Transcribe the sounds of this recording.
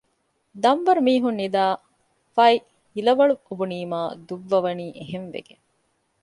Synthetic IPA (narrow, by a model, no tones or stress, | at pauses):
d̪ɐmʋɐɾumiːɦunːid̪aː | fɐj | ilɐʋɐɭuobuniːmaːd̪uʋːɐʋɐniːʔeɦenʋḛɡeŋ